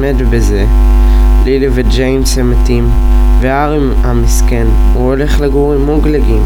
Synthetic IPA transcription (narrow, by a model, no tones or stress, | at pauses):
medbeze̞ | lilived͡ʒejmshematim | veaʁimhamiske̞n | huole̞χleɡuʁimuɡleɡim